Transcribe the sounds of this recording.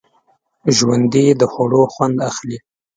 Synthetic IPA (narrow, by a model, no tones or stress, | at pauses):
ʒwand̪id̪əxoɽoxwand̪axli